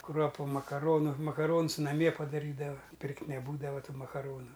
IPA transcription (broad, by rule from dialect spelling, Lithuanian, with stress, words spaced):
ˈkruɔpʊ mɐkɐˈroːnʊ mɐkɐˈroːns nɐˈmʲiɛ pɐdɐˈrʲiːdɐʋɐ ˈpʲɪrktʲ nʲɛˈbuːdɐʋɐ ˈtuː mɐkɐˈroːnʊ